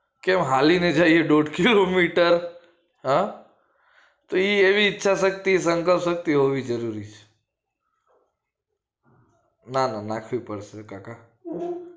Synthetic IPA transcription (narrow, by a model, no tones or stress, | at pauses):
kemɦalined͡ʒaieɖoɖkilomiʈəɾ | ɦã | t̪oieʋiːtːʃʰaʃək̚t̪isəŋkəlpʃək̚t̪iɦoʋid͡ʒəɾuɾit͡ʃʰe̥ | nananakʰʋipəɽsekaka